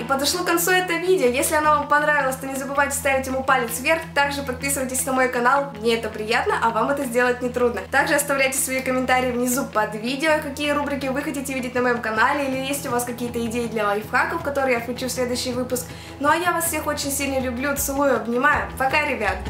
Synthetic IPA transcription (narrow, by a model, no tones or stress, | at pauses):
ipəd̪ɐʂlˠokɐnt̪suɛt̪əvʲidʲɪəjesʲlʲɪɐnavampɐnɾavʲɪlˠəsʲt̪onʲɪzəbɨvajtʲɪ̥st̪avʲɪtʲjɪmupalʲɪt̪svʲe̞rxt̪aɡʐɨpɐt̪̚pʲisɨvəjtʲɪsʲnəmo̞jkɐnalˠmnʲeɛt̪əpɾʲɪjat̪nəʔɐvamɛt̪əzʲdʲelˠət̚ʲnʲɪt̪ɾud̪nət̪aɡʐɨɐst̪ɐvlʲæjtʲɪ̥svɐikəmʲɪnt̪aɾʲɪjvnʲɪzupɐd̪vʲidʲɪokɐkʲijəɾubɾʲɪkʲɪvɨxɐtʲitʲɪvʲidʲɪtʲnəmɐjo̞mkɐnalʲɪilʲɪjesʲtʲʊvaskɐkʲijət̪əɪdʲejɪd̪lʲɐɐjfxakəfkɐt̪o̞ɾɨjafklʲʉt͡ɕufsʲlʲe̞d̪ʊjɕːɪjvɨpʊsk | noɐjavasfsʲe̞xo̞t͡ɕɪnʲsʲilʲnəlʲʊblʲut̪sɨlˠujʊɐbnʲɪmajʊt̪ɐkaɾʲɪbʲat̪